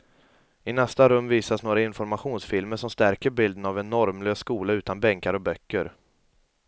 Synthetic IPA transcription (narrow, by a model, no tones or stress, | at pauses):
ɪnɛst̪aɾɵmːviːsasnoːɾaɪnfɔɾmaɧuːnsfɪlməʂɔmst̪æɾkəɾbɪld̪ənavɛnːɔɾmløːsːkuːlaʉ̟ːt̪anbɛŋkaɾɔbœkːəɾ